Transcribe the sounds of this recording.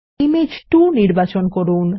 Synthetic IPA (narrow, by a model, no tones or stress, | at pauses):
imed͡ʑʈuniɾbat͡ɕonkoɾun